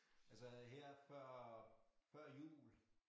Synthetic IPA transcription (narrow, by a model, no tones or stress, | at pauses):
ælsəɦeɐ̰fɶɐ̰fɶɐ̰jṵːl